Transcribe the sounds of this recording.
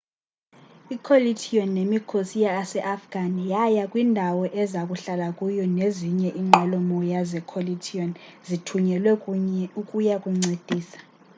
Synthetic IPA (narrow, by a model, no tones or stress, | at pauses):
ikʰolitʰijɔnːemikʰosijaːsɛʔafɡ̥ʱanijajakʼwindʱawɔʔɛzakʼuɬalakʼujɔneziɲɛʔiŋ͡ǁʱɛlɔmɔjazɛkʰolitʰiɔnzitʰuɲɛlwɛukʼujakʼuŋ͡ǀed̥ʱiːsḁ